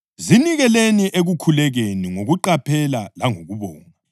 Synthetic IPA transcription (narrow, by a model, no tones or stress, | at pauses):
ziniɣɛleniʔeɣukʰulɛɣeniŋoɣuǃapʰɛlalaŋoɣuβɔːŋa